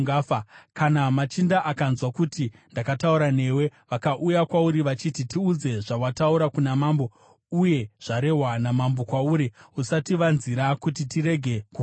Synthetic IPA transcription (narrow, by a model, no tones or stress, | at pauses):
ɡafakanamat͡ʃindaʔakanzwakutindakatauɾane̞we̞ʋakaʔujakwauɾiʋat͡ʃititiud͡ze̞ʐawatauɾakunamaːmbo̞ | uje̞ʐ̥aɾe̞ɦwanamambo̞kwauɾiusatiʋanziɾakutitiɾe̞ɡʱe̞ku